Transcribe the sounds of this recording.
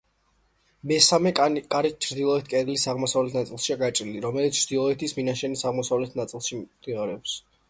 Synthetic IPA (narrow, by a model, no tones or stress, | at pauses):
mɛsamɛkʼaɾit͡ʃʰɾd̪ilˠɔɛt̪ʰkʼɛɾlisaʁmɔsavlɛt̪ʰnat̪sʼilˠʃiaɡat͡ʃʼɾiliɾɔmɛlit̪st͡ʃʰːd̪ilˠɔɛt̪ʰisminaʃɛnisaʁmɔsavlɛt̪ʰnat̪sʼilˠʃid̪̥iʁaɾɛps